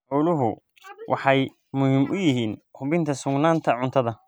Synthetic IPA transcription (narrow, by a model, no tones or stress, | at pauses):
ʕɔlʊɦʊ | wʔɑ̰ħɑj | mʊhɪmʔʊjɪɦiːnkʰʊβɪnt̪ʰɐsʊɡnaːnt̪ʰɐʕʊnt̪ʰɐðɐ